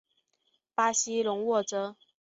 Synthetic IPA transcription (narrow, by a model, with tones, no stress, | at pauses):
pa˥ɕi˥lʊ˧˥ŋwɔ˥˩ʈ͡ʂɤ˥